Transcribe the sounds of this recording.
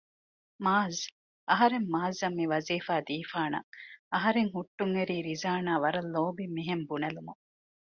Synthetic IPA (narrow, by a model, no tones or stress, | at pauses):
maːz | ʔɐɦɐɾemːaːzɐmːiʋɐziːfaːd̪iːfaːnɐ̰ŋɐɦɐɾeŋhuʈːuŋeɾiːɾizaːnaːʋɐɾɐlːoːbimiɦembunɐlumuŋ